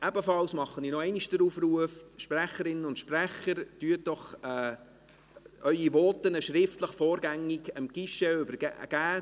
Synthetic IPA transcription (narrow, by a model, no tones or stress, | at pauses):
ʔɛbəfɑlsmɑχːəninoɛɪniʃdəɾuːfruəfʃpræχəɾɪnənʊntʃpræχəɾtyət̚d̥ɔχɛː | œʏiʋɔːtənəʃɾɪftləχfɔːɾɡæŋːiɡəmɡ̥ɪʃɛʏbəɾ̰ɡ̥æː